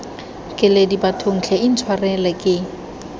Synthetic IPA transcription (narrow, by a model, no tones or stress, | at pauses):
kʼɪledibatʰoŋ̩t͡ɬʰɛin̩t͡sʰwarɛlɛkʼɪ